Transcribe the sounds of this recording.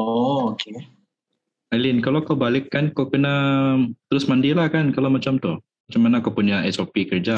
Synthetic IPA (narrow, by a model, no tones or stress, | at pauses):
ɔokʰe | alɪnkalokawbalɪkːankawkənat̪əɾʊsmandilahkankalamat͡ʃamt̪ʊh | mat͡ʃamanakawpuɲaʔɛsopikərd͡ʒa